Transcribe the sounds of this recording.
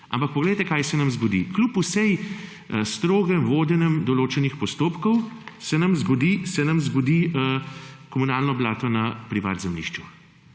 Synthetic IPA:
a̰mpɐk̚pɔɡlɛjt̪ɛkaːjsɛnɐmzɡɔd̪ḭklupusɛj | st̪ɾoːɡɛmʋoːd̪ɛnɛmd̪ɔloːt͡ʃɛnixpɔst̪oːpkɔwsɛnɐmzɡɔd̪isɛnamzɡɔd̪i | kɔmunaːlnɔblaːt̪ɔnɐpɾiʋa̰d̪zɛmlḭʃt͡ʃu

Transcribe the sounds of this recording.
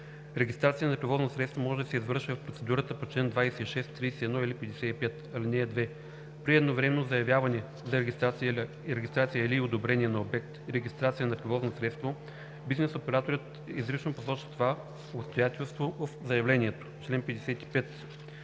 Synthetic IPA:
ɾɛɡʲist̪ɾat̪sijənɐpɾɛvɔznosɾɛt̪st̪vomɔʒɛd̪ɐsɛizvɤɾʃvivɐfpɾot̪sɛd̪uɾət̪əpot͡ʃlɛnd̪vajsɛiʃɛst̪ːɾijsɛɛd̪nɔilipɛd̪ɛsɛipɛt̪ɐlinɛːd̪vɛ | pɾiɛd̪novɾɛmɛnozɐjɐvjavɐnɛ | zɐɾai | ɾɛɡʲist̪ɾat̪sijəiliod̪obɾɛniɛnɐobɛk̚t̪ɾɛɡʲist̪ɾat̪sijənɐpɾɛvɔznosɾɛt̪st̪vo | biznɛsopɛɾat̪oɾət̪ | izɾit͡ʃnoposɔt͡ʃə̥t̪ova | opst̪ojat̪ɛlˠst̪vovɐfzɐjɐvlɛnʲiɛt̪o̥t͡ʃlɛnpɛd̪ɛsɛt̪i̥pɛt̪

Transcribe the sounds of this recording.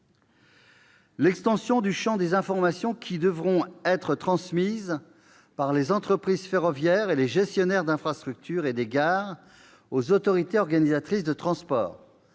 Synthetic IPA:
lɛkst̪ɑ̃sjɔ̃d̪yʃɑ̃d̪ezɛ̃fɔʁmasjɔ̃kʲʰid̪əvʁɔ̃ɛt̪χət̪χɑ̃smiz | paʁlezɑ̃t̪χəpχizfeʁɔvjɛʁeleʒɛst̪jɔnɛʁd̪ɛ̃fχast̪χyk̚t̪ʰyʁed̪eɡaʁ | ozot̪ɔʁit̪eɔʁɡanizat̪χisd̪ət̪χɑ̃spɔ̰ːʁ

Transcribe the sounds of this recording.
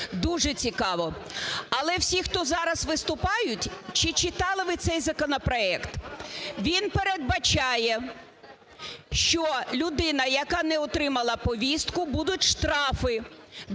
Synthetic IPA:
d̪uʒɛt͡sʲikɑʋɔɐlˠɛwsʲixt̪ɔzɑɾɐzʋɪst̪ʊpɑjʊtʲt͡ʃɪt͡ʃɪt̪ɑlˠɪʋɪt̪sɛjzɐkɔnɔpɾɔɛkt̪ʋʲinpeɾed̪̚bɐt͡ʃɑjɛ | ʃt͡ʃɔlʲʊd̪ɪnɐjɐkɑnɛɔt̪ɾɪmɐlˠɐpɔʋʲist̪kʊbud̪ʊtʲʃt̪ɾɑfɪ

